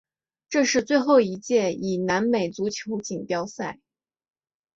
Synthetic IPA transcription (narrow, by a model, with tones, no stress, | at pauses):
ʈ͡ʂɤ˥˧ʂɻ̩˥˧t͡swe˥˧ɪxo˥˩ʊi˧˥t͡ɕjɛ˥˩i˨˩na˧˥nme˨˩ɪt͡su˧˥t͡ɕʰjo˧˥ʊt͡ɕi˨˩ŋpjɑ˥ʊsa˥˩ɪ